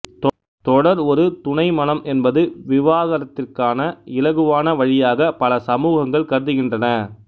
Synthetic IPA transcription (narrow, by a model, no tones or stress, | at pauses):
t̪ | t̪ɔɽɐɾɔɾɯt̪ʊɳɐɪmɐnɐmʔɛnbɐðɯʋɪʋaːðɐɾɐt̪ːɪrkaːnɐɪlɐɣɯʋaːnɐʋɐɻɪjaːɣɐpɐlɐsɐmuːɣɐŋɡɐɭkɐɾɯðɯɣɪndrɐnɐ